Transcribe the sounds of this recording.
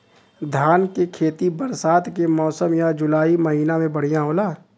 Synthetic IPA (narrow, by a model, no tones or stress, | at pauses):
d̪ʱjaːnkekʰeːt̪ibəɾsaːt̪kemɔːsəmjad͡ʒʊlaːimɐɦiːnamẽbɐɽ̤ijãɦoːlaː